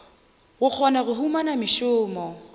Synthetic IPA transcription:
ɣʊk͡xʰɔnaɣʊɦumanamɪʃʊːmɔ

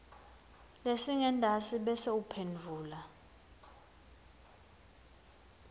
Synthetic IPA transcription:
lesiŋɛndʱasiɓɛseupʰenvʱuːla

